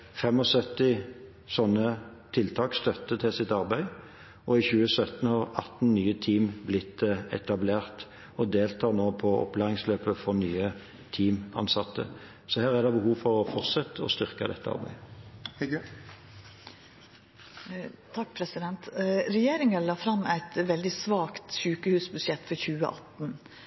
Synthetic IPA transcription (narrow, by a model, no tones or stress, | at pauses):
fɛmɔsœt̪ːɪ | sɔnːət̪ʰɪlt̪ʰɑːkst̪œt̪ːət̪ʰɪlsɪt̪ɑʁbæɪ | ʔɔɪçʉːəsœt̪n̩hɑʁɑt̪n̩nyːət̪ʰiːmblɪt̪ːɛ̰t̪ɑbleːʁt̪ | ɔd̪eːlt̪ʰɑːnoːpʰɔɔ̰plæːʁɪŋsløːpəfɔʁnyːə | t̪ʰiːmɑ̰nsɑt̪ːə̰ | sɔhæːʁæd̪ɛbəhuːʋfɔʁɔfɔʁt̪sɛt̪ːɔ̰st̪ʏʁkɑ̰d̪ɛ̰t̪ːəɑ̰ʁbæ̰ɪ | t̪ʰɑk̚pʰɾɛsɪd̪ɛnt̪ɾɛjeːɾɪŋɑlɑːfɾɑmæɪt̪ʋɛld̪ɪsʋɑːkt̪ʃʉːkəhʉːsbʉsjɛt̪ːfɔɾçʉːə̰ʔɑt̪n̩